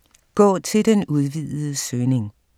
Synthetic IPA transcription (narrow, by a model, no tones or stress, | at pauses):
ɡ̥ɒ̰ːt͡sʰe̝ld̥enuð̞ˠʋið̰ˠð̩ˠəsøːne̝ŋ